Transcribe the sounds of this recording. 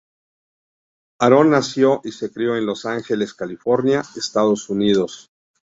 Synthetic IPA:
aɾo̞nːasjo̞ʔise̞kɾjo̞e̞nlo̞saŋxe̞le̞skalifo̞ɾnjaest̪aðo̞sunið̞o̞s

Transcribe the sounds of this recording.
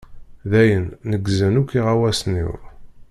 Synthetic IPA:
ðæjənːəɡzənukːiʁawæsnḭw

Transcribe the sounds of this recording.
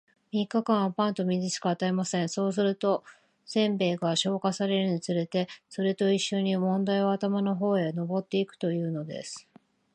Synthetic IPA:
mʲikːakãɰ̃βapãnt̪o̞mʲizɨɕi̥kaat̪aemasẽ̞ɰ̃so̞ːs̬ɨɾɯ̟t̪o̞ | sẽ̞mbe̞ːɡaɕo̞ːkasaɾe̞ɾɯ̟ɲit͡sɨɾe̞t̪e̞so̞ɾe̞t̪o̞iɕːo̞ɲ̟imõ̞nd̪aio̞at̪amano̞ɦo̞ːeno̞bo̞t̪ːe̞ikɯ̟̥t̪o̞jɯ̟ːno̞d̪e̞̰sɨ̥

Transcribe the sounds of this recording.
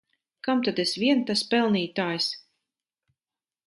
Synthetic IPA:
kamt̪ad̪esvʲiɛnt̪aspɛlˠniːt̪aːjs

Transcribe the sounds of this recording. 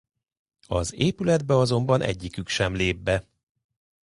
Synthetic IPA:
ɒzeːpylɛd̪bɛɒzo̞mbɒnʔɛ̰ɟːikykʃɛmleːbːɛ

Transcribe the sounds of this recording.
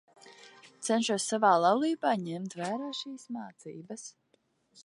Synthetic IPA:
t̪sɛnʃuɔsːavaːlˠɑwlˠiːbaːɲɛmt̪væːɾaːʃiːsmaːt̪sḭːbɐs

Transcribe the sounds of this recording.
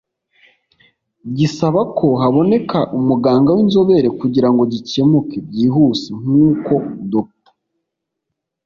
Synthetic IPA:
ɟisaβakʰo̞ɦaβo̞ne̞kʰaʔumuɡaːŋɡawinzo̞βe̞ɾe̞kuɟiɾaŋɡo̞ɟice̞mukeb̚ɟiːɦuːsiŋ̥uːko̞do

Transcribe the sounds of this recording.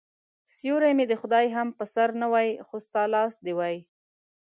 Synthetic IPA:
sjoɾajmed̪əxʊd̪ɑjɦampəsaɾnawɑjxost̪ɑlɑsd̪ewɑj

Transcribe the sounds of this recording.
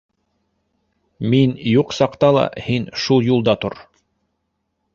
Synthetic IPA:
minjuqsɑqt̪ɑlˠɑ̰hinʃulˠjulˠd̪ɑt̪oɾ

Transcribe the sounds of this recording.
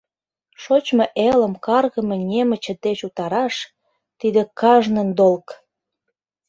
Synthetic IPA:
ʃot͡ɕmoʔelə̆mkɑrɣə̆menʲemət͡ɕĕd̪et͡ɕut̪ɑɾɑʃ | t̪id̪ekɑʒnə̆nd̪olk

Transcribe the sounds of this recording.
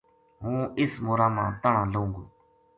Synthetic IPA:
ɦũːɪsmoːɾaːmãːt̪əɳ̤ãːləũːŋɡoː

